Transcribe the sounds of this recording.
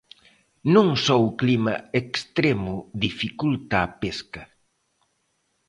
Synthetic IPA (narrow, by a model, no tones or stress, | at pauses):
nũŋsowklimɐekst̪ɾemʊðifikult̪aːpeskɐ